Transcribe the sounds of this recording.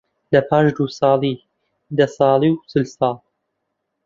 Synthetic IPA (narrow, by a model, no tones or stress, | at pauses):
lɐpʰɑːʃd̪usɑːliː | d̪ɐsɑːliwsɨlsɑːl